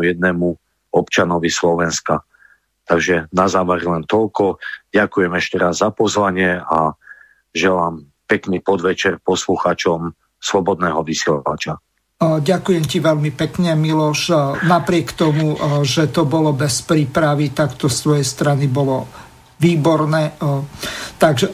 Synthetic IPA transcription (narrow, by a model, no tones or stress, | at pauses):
jɛd̪̚nɛːmu | ɔpt͡ʃanɔʋislɔʋɛnska | t̪aɡʒɛnazaːʋɛɾlɛnt̪ɔlkɔɟakujɛmɛʃcɛɾazːapɔzʋaɲɪɛa | ʒɛlaːm | pɛkniːpɔd̪ʋɛt͡ʃɛɾpɔsluxaːt͡ʃɔm | slɔbɔd̪̚nɛːɦɔʋisila̰ʋa̰t͡ʃa | ɟakujɛmciʋɛlmipɛkɲɛmilɔʃnapɾɪɛkt̪ɔmuʒɛt̪ɔbɔlɔbɛspɾiːpɾaʋit̪akt̪ɔst̪ʋɔjɛst̪ɾanibɔlɔ | ʋiːbɔɾnɛː | t̪aɡʒɛ